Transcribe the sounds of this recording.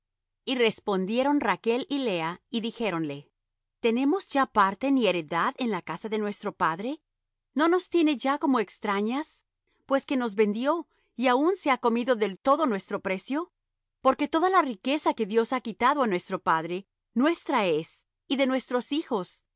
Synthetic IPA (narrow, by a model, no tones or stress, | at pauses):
ire̞spo̞nd̪je̞ɾo̞nrake̞lile̞aiðixe̞ɾo̞nle̞ | t̪e̞ne̞mo̞zʝapaɾt̪e̞nieɾe̞ðaðe̞nlakasaðe̞nwe̞st̪ɾo̞paðɾe̞ | no̞no̞st̪je̞ne̞ʝako̞mo̞ekst̪ɾaɲas | pwe̞ske̞no̞zβe̞nd̪jo̞ | iaunse̞ako̞miðo̞ðe̞lt̪o̞ðo̞nwe̞st̪ɾo̞pɾe̞sjo̞ | po̞ɾke̞t̪o̞ðalarike̞sake̞ðjo̞sakit̪aðoanwe̞st̪ɾo̞paðɾe̞ | nwe̞st̪ɾae̞s | iðe̞nwe̞st̪ɾo̞sixo̞s